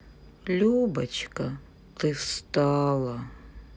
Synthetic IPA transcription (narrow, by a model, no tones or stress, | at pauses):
lʲubɐt͡ʃʰkɐ | qɨfst̪alˠɐ